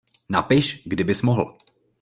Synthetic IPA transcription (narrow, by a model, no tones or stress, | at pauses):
napɪʃɡdɪbɪsmoɦl̩